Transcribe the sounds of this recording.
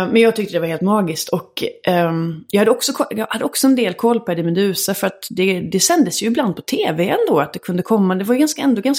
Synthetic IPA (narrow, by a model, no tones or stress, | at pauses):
mɛnjɑːɡ̚t̪ʰʏk̚t̪əd̪ɛvaɾheːlt̪mɑːɡɪskt̪ʰɔk | jɑɡhad̪əɔksɔkʰɔjɑːɡhad̪ːəɔksɔɛnd̪eːlkʰɔlːpʰæɖɛmɛd̪ʉ̟ːsafœɾat̪d̪ɛd̪ɛsɛnd̪əsjɵɪbland̪̚pʰɔ̥t̪ʰeːvɛɛnd̪oːat̪̚d̪ɛkʰɵnd̪əkʰɔmːad̪ɛvajɡanskaɛnd̪oːɡans